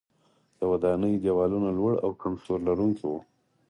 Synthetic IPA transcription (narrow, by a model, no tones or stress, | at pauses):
d̪̥əwad̪ɑnəjd͡ʒawɑlunalwaɽa̰wkamsoɾlaɾuŋkowo